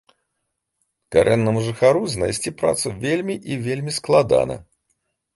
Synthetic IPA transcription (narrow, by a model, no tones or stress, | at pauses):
kaɾʔɛnːɐmuʐɨxaɾuznajsʲt͡sʲipɾa̰t̪suvʲelʲmʲiʔivʲelʲmʲisklˠad̪a̰nɐ̰